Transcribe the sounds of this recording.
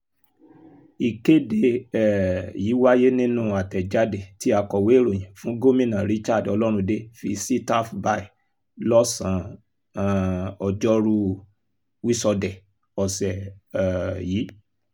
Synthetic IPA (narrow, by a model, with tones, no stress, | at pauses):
i˨ke˦de˧ɛ˨jiː˨˦wa˦je˦nĩ˦nũ˦a˨tɛ˨d͡ʒa˨˦de˨ti˨˦a˧kɔ˨we˨˦˨ɾo˨jĩ˨fũ˨˦ɡo˦mĩ˦˨nã˨ɾi˨˦t͡ʃa˦˨dɔ̰˧lɔ˦ɾ̃ũ˧de˦fi˧si˦ta˦fba˧i˨ | lɔ˦sã˨˧˨ | ɔ˧d͡ʒɔ˦ɾu˧ | wi˦sɔ˧dɛ˨ | ɔ˨sɛ˨ | jiː˨˦